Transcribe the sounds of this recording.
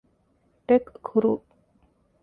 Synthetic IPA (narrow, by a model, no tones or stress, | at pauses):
ʈekkʰːuɾu